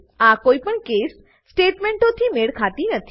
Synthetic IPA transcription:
akoipəɳkes | sʈeʈmeɳʈõt̪ʰimeɭkʰat̪inət̪ʰi

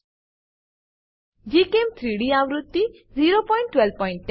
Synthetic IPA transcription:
d͡ʒikemt̪ʰɾiɽiãʋɾut̪ːi | ziɾopɔɪɳʈːwɛl̚pɔɪĩɳʈ̚ʈ

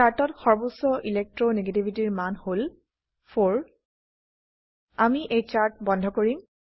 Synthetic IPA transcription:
aɹtɔtxɔɹbusɔʔilek̚tɹɔneɡetibʱitiɹmanhol | fʰoɹ | amiʔejt͡ʃaɹt̚bɔndʱɔkoɹim

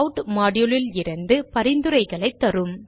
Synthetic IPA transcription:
ʈmaːɽɪjɔɭɪlɪɾɐnd̪ɯpɐɾɪnd̪ɯɾɐɪɣɐɭɐɪt̪ːɐɾɯm

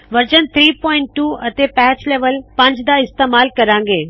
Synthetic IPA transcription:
ʋɐɾd͡ʒənt̪ʰɾiːpɔ̃ːɪ̃ɳʈːuːɐt̪eːpɛːt͡ʃleːʋəlpɐ̃ɲd͡ʒd̪aːɪst̪eːmaːlkɐɾãːŋ̆ɡeː

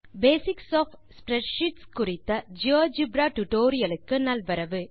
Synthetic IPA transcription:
beːsɪksɔf | spɾɛʈʃiʈskʊɾɪt̪ːɐd͡ʒoːd͡ʒibɾaːʈuʈoːɾɪjɐlɯkːɯnɐlʋɐɾɐʋɯ

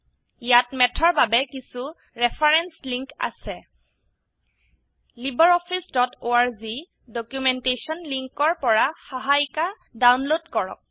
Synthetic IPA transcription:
ijatmɛtʰɔɹbabɛkisu | ɹɛpʰaɹɛnsliŋka̰sɛ | libɔɹɔpʰisdɔtoaɹzi | dɔkjumɛntesɔnliŋkɔɹpɔɹaxaɦajka | dawnlodkɔɹɔ̰k̚

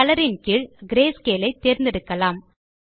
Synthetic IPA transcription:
ɐlɐɾɪnkɪɻɡɪɾeːskeːlɐɪt̪ːeːɾnd̪ɪɾɯkːɐlaːm

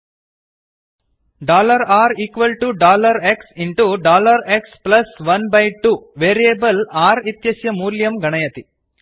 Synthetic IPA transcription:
ɖaːlɐɾaːɾiːkʋɐlʈuɖaːlɐɾeksiɳʈuɖaːlɐɾeksplɐsʋɐnbɐjʈuʋeːɾieːbɐlaːɾit̪jɐsjɐmuːljɐmɡɐɳɐjɐt̪i

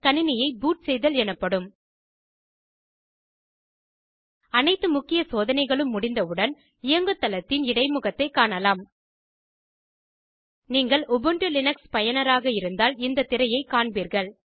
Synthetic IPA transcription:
kɐnɪnɪjɐɪbuːʈsɛjðɐlɛnɐpːɐɽɯm | ɐnɐɪt̪ːɯmʊkːɪjɐsoːðɐnɐɪɣɐɭɯmːʊɽɪnd̪ɐɯɽɐn | ɪjɐŋɡɯt̪ːɐlɐt̪ːɪnɪɽɐɪmʊɣɐt̪ːɐɪkːaːɳɐlaːm | niːŋɡɐɭɔbɯɳʈɯlɪnɐkspɐjɐnɐɾaːɣɐɪɾɯnd̪aːlɪnd̪ɐt̪ːɪɾɐjɐɪkaːɳbiːɾɣɐɭ

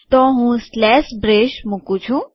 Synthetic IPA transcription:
t̪ɔɦũslɛːsbɾeːʃmukũt͡ʃʰũ

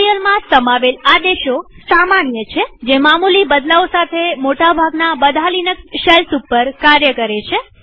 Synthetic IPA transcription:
jəlmãsəmaʋelad̪eʃo | samanjət͡ʃʰed͡ʒemamulibəd̪laosat̪ʰemoʈabʱaɡnabəd̪ʱalinəksʃɛlsupːəɾkaɾjəkəɾet͡ʃʰe

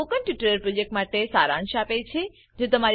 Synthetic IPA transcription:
okənʈjiʈəɾəɾpɾod͡ʒek̚ʈmaʈesaɾãnʃapet͡ʃʰe | d͡ʒet̪əmaɾ

